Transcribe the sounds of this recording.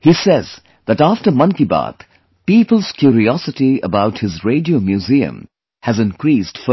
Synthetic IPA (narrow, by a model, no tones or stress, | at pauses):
hisɛz | ðætæftəmʌ̃nkiba̰t̪ | piːpəl̩z̥kʰjuɾiɔsɨtiə̰baʊthɨzɹeɪdiomjuziɨ̰̃m | hæzɨ̃nkɾiːsd̥fə